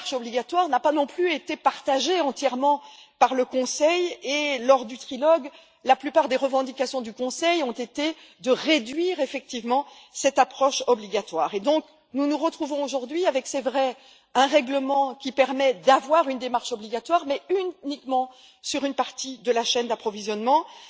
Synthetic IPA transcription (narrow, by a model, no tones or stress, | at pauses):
ʃɔbliɡat̪waʁnapanɔ̃plyet̪epaʁt̪aʒeɑ̃t̪jɛʁmɑ̃paʁləkɔ̃sɛjelɔʁd̪yt̪χilɔɡ | laplypaʁd̪eʁəvɑ̃d̪ikasjɔ̃d̪ykɔ̃sɛjɔ̃t̪et̪e | d̪əʁed̪ɥiʁefɛk̚t̪ivmɑ̃ | sɛt̪apχɔʃɔbliɡat̪waːʁed̪ɔ̃k | nunuʁət̪χuvɔ̃oʒuʁd̪ɥiavɛksɛvʁɛ | ɛ̃ʁɛɡləmɑ̃kʲipɛʁmɛd̪avwaʁynd̪emaʁʃɔbliɡat̪waʁmɛynikmɑ̃ | syʁynpaʁt̪id̪əlaʃɛnd̪apχɔvizjɔnmɑ̃